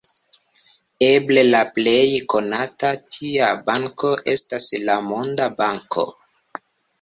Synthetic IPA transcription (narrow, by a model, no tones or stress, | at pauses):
eble̞laple̞jko̞natatʰiabaŋko̞ʔe̞staslamondabaŋkʰo̞̰